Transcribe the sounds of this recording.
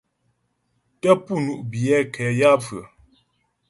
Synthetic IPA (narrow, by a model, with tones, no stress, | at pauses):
tə˦pu˦˨nu˦˨ʔbjɛ˦kʰɛ˨˦ja˦fɰə̰˨